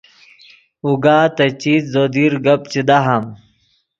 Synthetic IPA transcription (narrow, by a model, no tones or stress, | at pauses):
uɡaːt̪ɐt͡ɕiːt̪zod̪iːɾɡɐp̚t͡ɕid̪aɦam